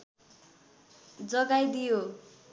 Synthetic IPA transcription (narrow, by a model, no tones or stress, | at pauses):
d͡zʌɡajd̪ijo